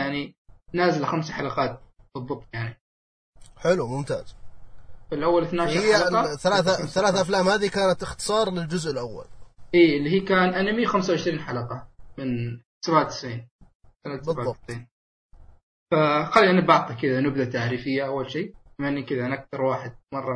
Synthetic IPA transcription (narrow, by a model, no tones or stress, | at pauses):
aʕninaːzalxamsaħalɑqɑːt̪̚b̥ɨðˤːɨb̪jaʕni | ħɪlumʊmt̪a̰ːz̥ | fɪlʔawːalɪθnaːʃhɑθːalaːθaθːalaːθʔaflaːmhaːðikaːnat̪ɪxt̪ɨ̥sˤɑːɾˤlɪld͡ʒʊzʔɪlʔawːa̰lʔiːɪlːihiːkaːnʔanamixamsawʕɪʃɾiːnħalɑqɑmɪn̥ | sabaʕlt̪ːɪ̥sʕiːn | sanat̪bðaʕɑsiːn | faxalːiʔanːabɑʕt̪ˤikɪd̪anɪb̚d̪at̪aʕɾiːfɪjːaʔawːalʃiːamanːikɪðanʔak̚θɑɾˤwaːħɪd̪̚mɑrˤːɑ